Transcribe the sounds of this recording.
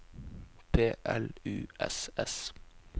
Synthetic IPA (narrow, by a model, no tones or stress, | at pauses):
pʰeːʔɛlʉːʔɛ̰sɛs